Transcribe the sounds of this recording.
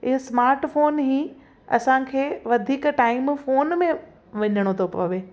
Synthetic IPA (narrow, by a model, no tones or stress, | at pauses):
ɪɦosmaːɾʈfoːnɦiː | ɐ̰sãkʰeːʋɐd̪ʱiːkʈaːɪmfoːnmẽ | ʋɐɲəɽ̃ot̪ʰopɐ̰ʋeː